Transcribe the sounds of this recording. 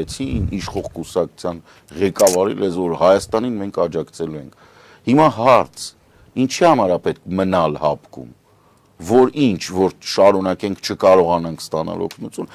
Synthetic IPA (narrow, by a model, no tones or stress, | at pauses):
ɛt͡sʰiiniʃχɔʁkusɑku̥t͡sʰjɑn | ʁɛkɑvɑɾḭlɛzvɔɾhɑjɑst̪ɑninmɛŋkʰɑd͡ʒɑkt͡sʰɛluɛŋkʰ | himɑɦɑɾt͡sʰ | int͡ʃʰihɑmɑɾɑpɛt̪̚kʰmənɑlhɑpkṵm | vɔɾint͡ʃʰvɔɾʃɑɾunɑkɛŋkʰt͡ʃʰəkɑɾɔʁɑnɑŋkʰst̪ɑnɑ̰lɔ̰kʰnut͡sʰjun